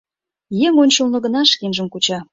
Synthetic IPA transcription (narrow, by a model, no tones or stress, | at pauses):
jeŋonʲʃulnə̆ɣə̆nɑʃkinʒəmkut͡ɕɑ